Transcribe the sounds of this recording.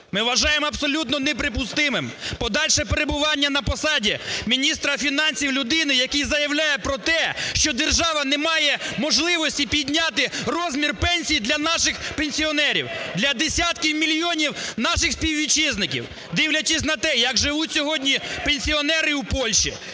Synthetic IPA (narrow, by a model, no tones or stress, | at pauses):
mɪʋɐʒɑjemɔɐbsɔlʲut̪nɔnɛpɾɪp̬ʊst̪ɪmɪmpɔd̪ɑlʲʃɛpeɾebʊʋɑnʲːɐnɐpɔsɑdʲimʲinʲist̪ɾɐfʲinɑnʲsʲiwlʲʊd̪ɪnɪjɐkizɐjɐwlʲajɛpɾɔt̪ɛʃt͡ʃɔd̪erʒɑʋɐnɛmɑjɛmɔʒlˠɪʋɔsʲtʲipʲid̪ʲnʲat̪ɪrɔzʲmʲirpɛnʲsʲijd̪lʲɐnɑʃɪxpenʲsʲiɔnɛɾʲḭwd̪lʲɐd̪esʲat̪kʲiwmʲilʲijɔnʲiwnɑʃɪxsʲpʲiwʋʲit͡ʃɪznɪkʲḭw | d̪iwlʲɐt͡ʃɪsʲnɐt̪ɛjɐɡʒɪʋutʲsʲɔɦɔdʲnʲipenʲsʲiɔnɛɾɪwpɔlʲʃḭ